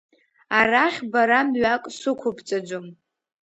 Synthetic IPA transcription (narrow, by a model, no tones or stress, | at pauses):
araχʲbaɾamɥakʼsʊkʷʰʊpʰt͡sʼad͡ʒʷom